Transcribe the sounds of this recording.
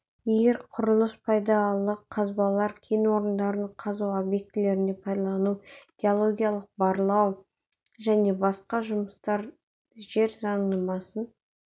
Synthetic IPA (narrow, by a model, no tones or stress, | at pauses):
eɾqʰʊɾəlˠəspʰɑjd̪ɑlˠəqʰːɑzbɑlˠɑɾkʲʰejnwo̞ɾənd̪ɑɾənqʰɑzuwobje̞k̚t̪ɪle̞ɾɪne̞pʰɑjd̪ɑlɑlˠɑnuɡ̥ʲeolˠo̞ɡʲijalˠəq̚bɑɾlˠɑw | ʒæne̞bɑsqɑʒʊməst̪ɑɾ | ʒe̞ɾzɑɴnəmɑsən